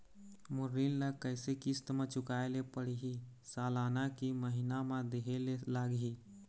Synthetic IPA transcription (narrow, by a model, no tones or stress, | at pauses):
mʊɾillakəɪsekist̪mẽt͡ʃʊkaːelepəɽiɦisaːlaːnakiməɦinamãd̪eɦelelaːɡɦi